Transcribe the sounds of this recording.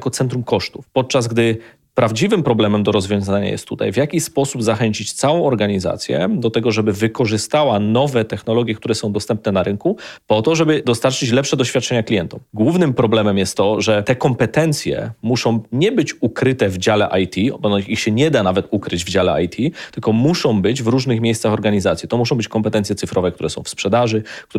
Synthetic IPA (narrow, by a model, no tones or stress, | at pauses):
kɔt̪sɛnt̪ɾumkɔʂt̪ufpɔt̪̚t͡ʂazɡd̪ɘ | pɾavd͡ʑivɘmpɾɔblɛmɛmd̪ɔɾɔzvʲjɔ̃w̃zaɲa̰jɛ̰st̪ːut̪a̰jvjakʲispɔsubzaxɛɲt͡ɕit͡ɕt̪sawɔ̃w̃ɔɾɡaɲiza̰t̪sʲjɛ̰d̪ɔt̪ɛɡɔʐɛbɘvɘkɔʐɘst̪awanɔvɛt̪ɛxnɔlɔɡʲjɛkt̪uɾɛsɔ̃w̃d̪ɔst̪ɛmp̚nɛnaɾɘnkupɔt̪ɔʐɛbɘd̪ɔst̪aɾt͡ʂɘt͡ɕlɛpʂɛd̪ɔɕfʲjat̪̚t͡ʂɛɲaklʲijɛnt̪ɔmɡwuvnɘmpɾɔblɛmɛmjɛst̪ːɔʐɛt̪ɛkɔmpɛt̪ɛnt̪sʲjɛ̰muʂɔ̃w̃ɲɛbɘt͡ɕukɾɘt̪ɛvd͡ʑalɛʔajt̪ʲibɔnɔixɕɛɲɛd̪anavɛt̪ukɾɘd͡ʑvd͡ʑalɛʔa̰jt̪ʲʰit̪ɘlkɔmuʂɔ̃w̃bɘd͡ʑvɾuʐnɘxmʲjejssaxɔɾɡaɲizat̪sʲjit̪ɔmuʂ̬ɔ̃w̃bɘt͡ɕkɔmpɛt̪ɛnt̪sʲjɛt̪sɘfɾɔvɛkt̪uɾɛsɔ̃w̃fspʂɛd̪aʐɘk